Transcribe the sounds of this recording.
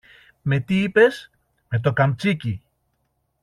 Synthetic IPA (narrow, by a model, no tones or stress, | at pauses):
me̞t̪iipe̞s | me̞t̪̬o̞kɐmt͡sici